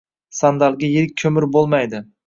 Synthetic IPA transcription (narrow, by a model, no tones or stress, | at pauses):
sand̪alˠɡʲajeɾɪk̚ʲʰːɵmɪɾbolˠmajd̪ɪ